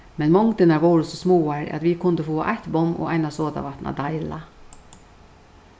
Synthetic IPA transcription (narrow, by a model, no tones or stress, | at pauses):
mɛnmɔŋt̪ənɑʋoːɾʊsɔsmoːɑɾ̰ʔɑ̰t̪ʋiːkʰʊnd̪əfoːʔæ̰ɪt̪bɔmʔo̰ːʔæɪnɑsoːd̪ɑ̰ʋɑt̪nʔɑ̰d̪ɑɪlɑ